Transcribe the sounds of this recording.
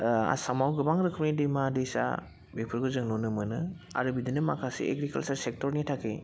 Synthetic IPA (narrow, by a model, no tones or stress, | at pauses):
a̰samawɡɯbaŋɾɯkʰɯm̚nidemadesa̰ | bepʰɯɾɡɯzɯŋnonɯmɯnɯ | a̰ɾɯbidinɯmakʰasḭʔḛɡɾikalsaɾsek̚tɔɾnitʰakʰe